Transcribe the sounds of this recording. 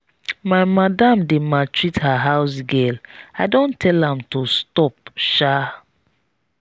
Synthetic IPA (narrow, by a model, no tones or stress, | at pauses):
maɪmadãmdematɹithaɦaʊs̬ɡɛlaɪdõntʰɛlãmtostɔp̚ʃa